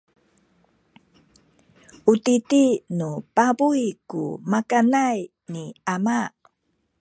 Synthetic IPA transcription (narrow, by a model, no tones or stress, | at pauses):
utitinupabujkṵmakanaj | niama